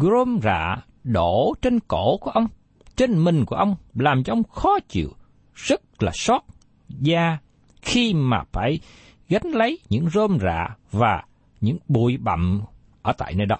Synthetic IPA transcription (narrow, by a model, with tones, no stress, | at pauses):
zo˧mza̰ː˧˨ | ɗo˧˩t͡ɕe˧nko˧˩˨ku˧˩ʔə˧wŋ͡m | t͡ɕe˧nmï˨˩ŋ̟ku˧˩əʔə˧wŋ͡mlaː˨˩mt͡ɕɔ˧ʔə˧wŋ͡mxɔ˨˦t͡ɕḭ˧˨əw | z̥ə˦˥t̚laː˨˩sɔ˦˥t̚ | zaː˧ | xi˧maː˨˩faː˧˩j | ɣa˨˦jŋ̟lə˨˦jɲɨ̰˧˥ŋzo˧mza̰ː˧˨vaː˨˩ | ɲɨ̰˧˥ŋɓu˧˩˨əjɓa̰˧˨m | ʔəː˧˩t̪a̰ː˧˨jnəː˧jɗɔ˨˦